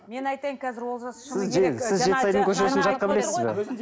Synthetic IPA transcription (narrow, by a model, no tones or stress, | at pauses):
menɑjt̪ɑjmkʲʰæzɪɾwolˠʒɑssɪzʒesɪzʒet̪ɪsɑjd̪əŋkʲʰɵʃ̬eɾesɪnʒɑt̪̚qɑbɪle̞sɪzbḛ